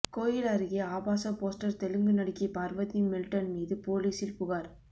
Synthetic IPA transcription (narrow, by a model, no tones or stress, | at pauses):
koːjɪlɐɾɯɣɐaːbaːsɐpoːsʈɐɾt̪ɛlɯŋɡɯnɐɽɪkːɐpaːɾʋɐðimɪlʈɐnmiːðɯpoːliːsɪlpʊɣaːɾ